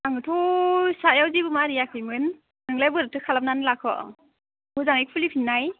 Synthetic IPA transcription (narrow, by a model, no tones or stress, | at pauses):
aŋɯtʰosajawzibɯmaɾijakʰɯjmɯn | nɯŋlajbɯɾɯtʰɯkʰalap̚nanɯlakʰɔ̰ | bɯzaŋik̚pʰulipʰinːaj